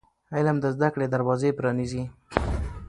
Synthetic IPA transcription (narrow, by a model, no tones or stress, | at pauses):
aɪlamd̪əzd̪akɽed̪aɾwɑzepɾɑnizi